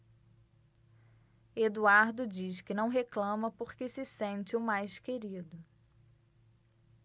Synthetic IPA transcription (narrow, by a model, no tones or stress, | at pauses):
ed̪uaɾd̪ʊd͡ʒiskɪnɐ̃w̃ɦeklɐ̃mɐpoɾkɪsɪsẽnt͡ʃɪʊmajskeɾid̪ʊ